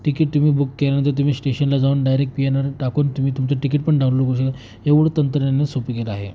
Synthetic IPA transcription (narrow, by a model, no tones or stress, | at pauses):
ʈikiʈ̚t̪um̤iːbukːeljanə̃nt̪iɾt̪um̤iːsʈeɕənlad͡zauːnɖajɾek̚ʈ̚pienaɾʈakuːnt̪um̤iːt̪umt͡səʈikiʈ̚pəɳɖʱaʋloɡoɕ̬əkan | eʋuɽt̪ənt̪ɾənanːesopikelaaɦḛ